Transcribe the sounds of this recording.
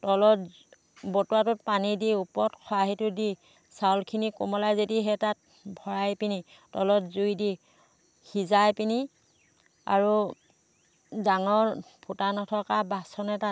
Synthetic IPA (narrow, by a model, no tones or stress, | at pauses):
tɔlɔt | bɔtuwatʊt̚panidiupɔtkʰɔaɦitʊdi | sawlkʰinikomɔlajzediɦɛtat̚ | bʱɔɹajpini | tɔlɔtzujdi | xizajpini | a̰ɹu | daŋɔɹ | pʰutanɔtʰɔkabasɔnɛta